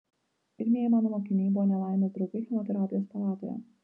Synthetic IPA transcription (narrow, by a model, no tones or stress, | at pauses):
pʲɪɾʲnʲijɛmɑːnomoːkʲinʲiːjbʊʋɔnʲɛlˠaˑɪmʲɛt̪ɾʊkʲɪxʲɛmʲɔt̪ʲɛɾɑːpʲɪjoːspɐlˠɑːt̪o̰jɛ̰